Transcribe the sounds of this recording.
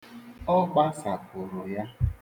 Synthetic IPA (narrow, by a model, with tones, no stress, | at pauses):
ɔ˦ɡ͡ba˦sa˨pʊ˨ɾʊ˨ja˦